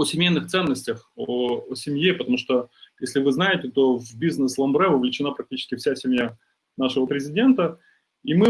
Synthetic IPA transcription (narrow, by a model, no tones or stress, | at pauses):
osʲɪmʲejnɨxt̪sɛnːəsʲtʲəxoosʲɪmjepət̪ɐmuʂt̪ojesʲlʲɪvɨznajɪtʲɪt̪o̞vbʲiznɨslˠɐmbɾɛvəvlʲɪt͡ɕɪnapɾɐk̚tʲit͡ɕɪ̥skʲɪfsʲasʲɪmʲja | naʂɨvəpɾʲɪzʲɪdʲe̞nt̪ə | imɨ